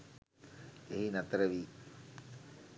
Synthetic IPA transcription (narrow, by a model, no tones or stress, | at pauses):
eɦinat̪əɾəʋi